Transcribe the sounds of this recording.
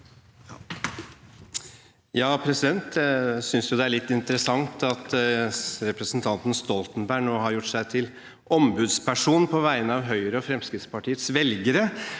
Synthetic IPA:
jɑːpʰɾɛsɪd̪ɛnt̪sʏnsjʊd̪ɛæɭɪt̪ːɪnt̪əɾəsɑŋt̪ɑt̪ | ɾɛpɾəsn̩t̪ʰɑnt̪n̩st̪ɔlt̪n̩bæɪɳoːɦɑɾjʊʈːsæɪt̪ʰɪl | ʔɔmbʉːd̪spʰæʂuːnpʰɔʋæɪənəɑʋɦœʏɾəɔfɾɛmskɾɪt̪spɑʈʰiːət̪sʋɛlɡəɾə

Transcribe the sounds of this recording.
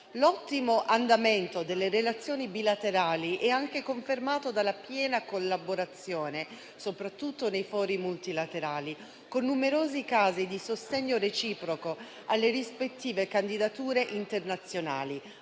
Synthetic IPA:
lɔt̪ːimoʔand̪ament̪od̪elːeɾelat̪sːjoːnibilat̪eɾaːliʔɛaŋkekoɱfermaːt̪od̪alːapjɛːnakolːaboɾat̪sːjoːne | sopɾat̪ːut̪ːonejfɔːɾimult̪ilat̪eɾaːli | konːumeɾoːzikaːzid̪isost̪ɛɲːoɾet͡ʃiːpɾoko | alːerispet̪ːiːvekand̪id̪at̪uːɾeʔint̪ernat̪sːjona̰ːli

